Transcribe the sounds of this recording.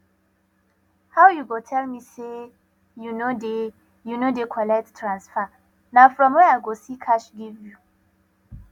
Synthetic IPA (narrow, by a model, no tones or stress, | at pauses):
hawjuɡotʰɛlmise | junode | junodekʰɔlɛttɹãnsfa | nafɹɔ̃mwɛaɡosikʰaʃɡivju